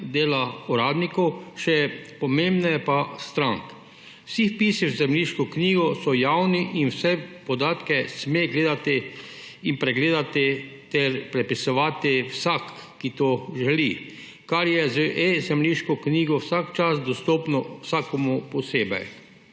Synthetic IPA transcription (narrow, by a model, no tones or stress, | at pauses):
d̪eːlauɾaːd̪nikɔwʃɛpɔmembnajɛpast̪ɾaŋk | wsixpiːsiwzɛmliʃkɔkniːɡɔsɔjawniʔinwsɛpɔd̪aːt̪kɛsmeɡleːd̪at̪iinpɾɛɡleːd̪at̪i | t̪ɛɾpɾɛpisɔʋaːt̪iwsakː | it̪oʒɛli | kaɾjɛzəʔezɛmliːʃkɔkniːɡɔwsakt͡ʃasd̪ɔst̪oːpnɔwsaːkɔmupɔseːbɛ̰j